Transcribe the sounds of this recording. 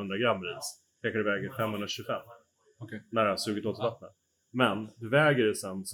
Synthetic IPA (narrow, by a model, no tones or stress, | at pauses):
ɵnd̪ɾaɡɾamːɾiːd̪s | kʰɛkaɖ̪ɵvɛːɡəɾfɛmːhɵnɾaɕʉ̟ɡəfɛmː | næɖɛhasʉ̟ːɡɪt̪oːt̪ɪvat̪nən | mɛnd̪ɵvɛːɡəɖɛsɛns